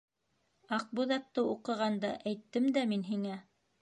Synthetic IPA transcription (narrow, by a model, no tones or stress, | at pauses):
ɑq̚buðɑt̪ːɤuqɤ̆ʁɑnd̪ɑ̰ʔæjt̪ːɘmd̪æminɦiŋæ